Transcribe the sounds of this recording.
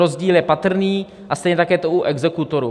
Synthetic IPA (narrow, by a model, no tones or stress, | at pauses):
ozɟiːljɛpat̪r̩niː | ʔast̪ɛjɲɛt̪akjɛt̪oʔuʔɛɡzɛkut̪oɾu